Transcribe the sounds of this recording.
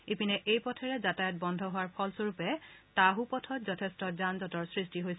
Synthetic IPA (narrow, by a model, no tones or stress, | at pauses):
ipinɛʔejpɔtʰɛɹɛzatajɔt̚bɔndʱɔɦʊwaɹpʰɔlsoɹupɛtaɦupɔtʰɔtzɔtʰɛstɔzanzɔtɔɹsɹistiɦojsɛ